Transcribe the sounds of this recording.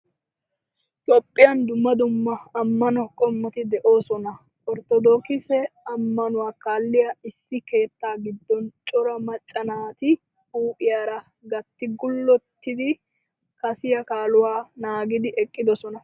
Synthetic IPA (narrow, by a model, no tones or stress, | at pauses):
t̪ʼɔpʼːɪjɐnd̪ʊmːɐd̪ʊmːɐɐmːɐnɔkʼɔmːɔt̪ɪd̪ɛʔo̞ːsɔnɐ | ɔɾt̪ɔd̪oːkɪsɛɐmːɐnʊwaːkaːlːɪjɐɪsːɪke̞ːt̪ːaːɡɪd̪ːɔnt͡ʃʼɔɾɐmɐt͡ʃʼːɐnaːt̪ɪ | uːpʼɪjaɾɐ | ɡɐt̪ːɪɡʊlːɔt̪ːɪd̪ɪ | kɐsɪjɐkaːlʊwaːnaːɡɪd̪ɪʔɛkʼːɪd̪ɔsɔnɐ